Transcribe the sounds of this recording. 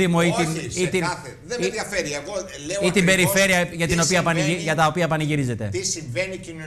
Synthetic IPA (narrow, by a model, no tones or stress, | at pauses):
imoit̪init̪iɐθeðeðjɐfeɾieɣo | leit̪ibe̞ɾife̞ɾiɐʝɐt̪ino̞piɐpɐniiʝɐt̪ɐopiɐpɐniʝiɾize̞t̪e̞t̪isiɱvenici